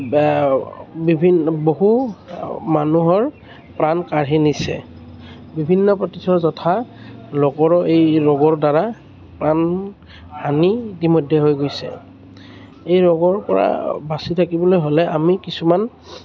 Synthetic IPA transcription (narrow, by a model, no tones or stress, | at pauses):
bibʱinboɦu | manuɦɔɹ | pɹankaɹɦenisɛ̰ | bibʱinːɔpɹɔtisʰɔzɔtʰa | lokɔɹɔejɹɔɡɔɹdaɹa | pɹan | haniitimɔjdʱɛɦojɡojsɛ̰ | ejɹɔɡɔɹpɔ̰ɹa̰basitʰakibɔlojɦolɛʔamikisuman